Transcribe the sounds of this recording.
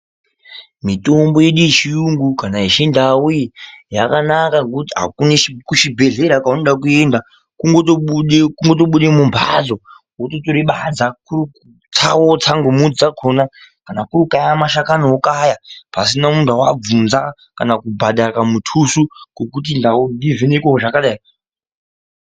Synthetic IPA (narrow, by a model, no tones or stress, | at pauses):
mito̞mbo̞je̞ɗuit͡ʃijuŋɡukanaiʃendawujijakanakakutiɦa̰kunekuʃibʱe̞ɮe̞ɾakaunoɗakue̞nda | kuŋɡotoekuŋɡo̞to̞ɓuɗemumbʱa̰d͡zo̞ | wototoɾiɓad͡zakuriku | t͡sʰawot͡saŋɡomud͡zaɡʰʱonakanakuɾukajamaʃakanookajapasinamuntawab͡vunza | kanakubʱaɗaramutʰusuŋokutindaundivinekooʐakaɗaːi